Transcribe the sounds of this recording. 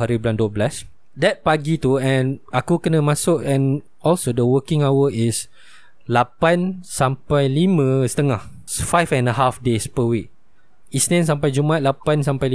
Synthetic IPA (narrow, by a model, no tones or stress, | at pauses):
aɾiblandoblas | dɛt̪̚paɡit̪uɛ̃nakukənəmasʊk̚ɛ̃n | ɔlsodəwəkĩŋawəis | lapãnsãmpajlimə̃sə̥t̪əŋah | fajfɛ̃nəɦafdespəwik̚ | isnɛ̃ns̬ãmpajd͡ʒumat̪̚lapans̬ampajli